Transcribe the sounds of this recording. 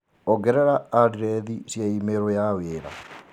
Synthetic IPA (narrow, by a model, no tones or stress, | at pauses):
ɔɡɛɾɛɾaadiɾɛðisjaimeɾojaweːɾa̰